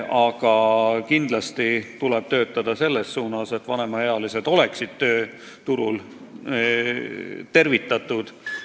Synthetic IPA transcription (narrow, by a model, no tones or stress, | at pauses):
ɑɡ̥ɑkind̪lɑst̪it̪ulɛb̥̚t̪ø̞ːt̪ːˑɑd̪̥ɑse̞lːe̞sːuːnɑse̞t̪ːˑvɑne̞mɑeɑlise̞d̪̥o̞le̞ksid̪̥̚t̪ø̞ː | t̪uɾul | t̪e̞rvit̪ːˑɑt̪ˑud̪̥